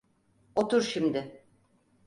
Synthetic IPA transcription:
o̞t̪ʰuɾʃimd̪ɪ

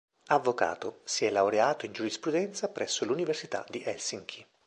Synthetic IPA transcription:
avːoka̰ːt̪osiɛlːawɾeaːt̪oind͡ʒuɾispɾud̪ɛnt̪sapɾʔɛsːoluniversit̪a̰d̪iʔɛlsiŋkʰi

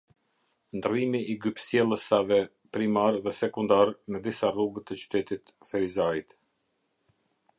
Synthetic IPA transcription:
nd̪ɾimiːɡypsjɛlˠəsavɛ | pɾimaɾðɛsɛkund̪aɾnəd̪isaruɡət̪ːət͡ʃy̥t̪ɛt̪it̪fɛɾizajt̪

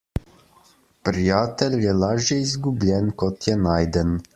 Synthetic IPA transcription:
pɾijaːt̪ɛljɛlaːʒjɛizɡublʲjɛnkɔt̪jɛnajd̪ən

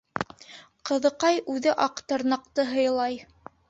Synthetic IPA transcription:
qɤ̆ðɤ̆qɑjʉðɘʔɑqt̪ɤ̆ɾnɑqt̪ɤɦɤ̆jlˠɑj

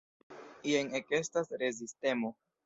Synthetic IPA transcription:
ieŋeke̞stasɾe̞ziste̞mo̞

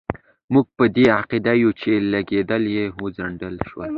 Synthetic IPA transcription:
muɡ̚pəd̪eaqid̪ajut͡ʃelaɡed̪əljeɦuzaɳɖəlʃwəl

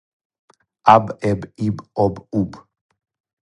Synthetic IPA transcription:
ʔabɛbibɔbub

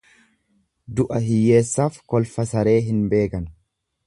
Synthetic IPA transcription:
d̪ʊʔɐɦɪjːe̞ːsːaːfkɔlfɐsɐɾe̞ːɦɪnbe̞ːkɐn

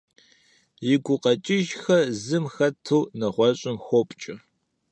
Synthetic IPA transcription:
jɪɡʷʊqɐt͡ʃʼɪʒxɐzɨmxɐtʰuːnɐʁʷɔɕʼɪmxʷopʼt͡ʃʼɪ

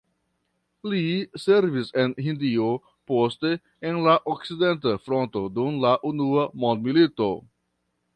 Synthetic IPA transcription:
lise̞ɾvise̞nhindio | poste̞ː | nlaʔok̚t͡side̞ntafɾo̞nto̞dumlaʔunuamondmilito̞̰

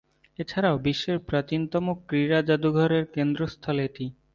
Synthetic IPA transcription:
et͡ɕʰaɾaobiʃːeɾpɾat̪int̪ɔmokːɾiɾad͡ʑad̪uɡʱɔɾeɾkend̪ɾost̪ʰɔleʈi

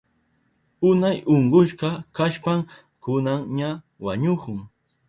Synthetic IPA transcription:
ʊnajʊɴɢʊʃqɑkaʃpam | kʊnaŋɲa | waɲʊkʊŋ

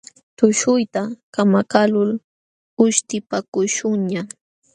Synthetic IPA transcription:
t̪ʊʃʊjt̪akamakalʊl | ʊʃt̪ɪpakʊʃʊŋɲa

